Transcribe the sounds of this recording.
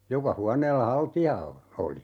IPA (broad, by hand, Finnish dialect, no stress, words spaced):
jokɑ huɑneːlːɑ hɑltiɑ o oli